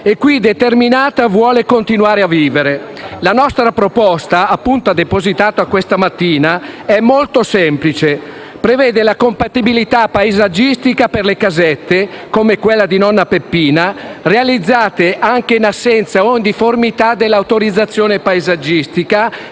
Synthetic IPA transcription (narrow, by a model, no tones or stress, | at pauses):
ekːwid̪et̪erminaːt̪avwɔːlekont̪inwaːɾeaviːveɾe | lanɔst̪ɾapɾopɔst̪aːpːunt̪ad̪epozit̪aːt̪oakːwest̪amat̪ːiːnaɛmːolt̪osɛmplit͡ʃe | pɾevɛːd̪elakompat̪ibilit̪apːaezad͡ʒist̪ikaperlekazɛt̪ːekomekwelːad̪inɔnːapepːiːnarealid̪zːaːt̪eʔaŋkeinasːɛnt̪saond̪iformit̪ad̪elːawt̪oɾid̪zːat̪sːjoːnepaezad͡ʒist̪ika